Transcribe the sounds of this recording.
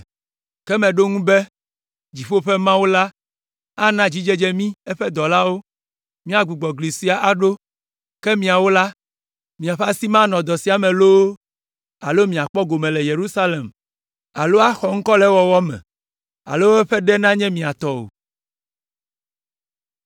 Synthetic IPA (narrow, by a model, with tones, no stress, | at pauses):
kɛ˦mɛ̃˨ɖo˦ŋũ˦bɛ˦ | d͡ʑi˨ɸo˦ɸɛ˦mã˦wo˦la˦ | a˦nã˦d͡ʑi˦d͡ʒe˦d͡ʒɛ˦mĩ˦ɛ˦ɸɛ˦d̪ɔ˨la˦wo˦ | mĩ˦a˨ɡ͡bu˨ɡ͡bɔ˨ɡli˨si˦a˨ʔa˦ɖo˦ | kɛ˦mĩ˨a˨wo˦la˦ | mĩ˨a˨ɸa˦si˦mã˦nɔ̃˨d̪ɔ˨si˦a˨mɛ̃˨lo˦ | a̰˨lo˦mĩ˨a˨k͡pɔ˦ɡo˨mɛ̃˨lɛ˨je˨ɾu˦sa˦le˨m | a˨lo˦a˦xɔ˨ŋ̩˦kɔ˦lɛ˦wɔ˦wɔ˦mɛ̰̃˨ | a̰˨lo˦wo˦ɛ˦ɸɛ˦ɖɛ˦nã˦ɲɛ̃˦mĩ˨a˨t̪ɔ˦o̰˨